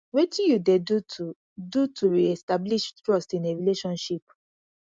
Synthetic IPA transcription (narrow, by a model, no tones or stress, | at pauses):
wetĩjudedutʰu | dutuɹiɛstabliʃtɹɔstĩneɹileʃɔ̃nʃip̚